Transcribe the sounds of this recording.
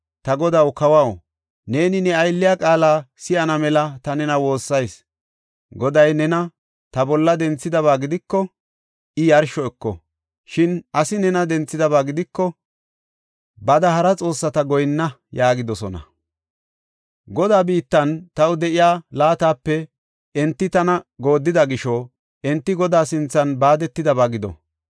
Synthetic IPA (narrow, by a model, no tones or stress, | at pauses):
t̪ɐɡɔd̪ɐwkɐwɐw | ne̞ːnɪnɛɐjlːɪjaːkʼaːlaːsɪʔɐnɐmɛlɐt̪ɐnɛnɐwo̞ːsːɐjs | ɡɔd̪ɐjnɛnɐ | t̪ɐbɔlːɐd̪ɛnt͡sːɪd̪ɐβaːɡɪd̪ɪkːɔ | ʔɪjɐɾʃɔɛkːɔ̰ | ʃɪnʔɐsɪnɛnɐd̪ɛnt͡sːɪd̪ɐβaːɡɪd̪ɪkːɔ | bɐd̪ɐhɐɾɐt͡sʼo̞ːsːɐt̪ɐɡɔjnːɐ | jaːɡɪd̪ɔsɔnɐ̰ | ɡɔd̪aːbiːt̪ːɐnt̪ɐwd̪ɛʔɪjaːlaːt̪aːpːɛ | ɛnt̪ːɪt̪ɐnɐɡo̞ːd̪ːɪd̪ɐɡɪʃɔ | ʔɛnt̪ːɪɡɔd̪aːsɪnt͡sːɐnbaːd̪ɛt̪ːɪd̪ɐbaːɡɪd̪ɔ̰